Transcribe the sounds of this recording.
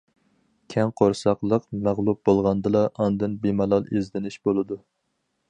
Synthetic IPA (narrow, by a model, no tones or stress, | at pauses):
kʲʰɛŋqʰoɾsɑqlˠəqmæʁlˠup̚bolˠʁɑnd̪ɨlˠɑʔɑnd̪ɨnbemɑlˠɑlˠezd̪ɪnɪʃb̥olˠɨd̪u